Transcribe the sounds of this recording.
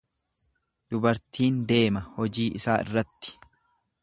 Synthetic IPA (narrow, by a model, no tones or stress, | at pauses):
d̪̥ʊbɐɾt̪iːnd̪e̞ːmɐhɔd͡ʒiːʔɪsaːʔɪ̰rːɐt̪ːɪ̥